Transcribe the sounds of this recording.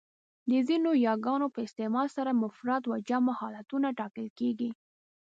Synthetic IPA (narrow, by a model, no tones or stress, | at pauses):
d̪əzinojɑɡɑnopəɪst̪emɑlsaɾamʊfɾat̪wad͡ʒamahɑlat̪unaʈɑkəlkeɡi